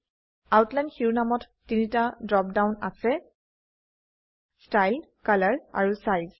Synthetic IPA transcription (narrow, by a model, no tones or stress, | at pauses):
awtlajndxiɹunamɔtːinitadɹɔp̚daʊna̰sɛ | stajlkalaɹa̰ɹusajz